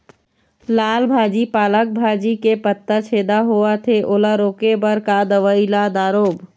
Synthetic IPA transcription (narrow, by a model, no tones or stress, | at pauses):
laːlbʱaːd͡ʒipaːlək̚bʱaːd͡ʒikepət̪ːət͡ʃʰeːd̪aɦoat̪ʰeʔolaɾoːkebəɾkad̪əʋəilad̪aːɾoːb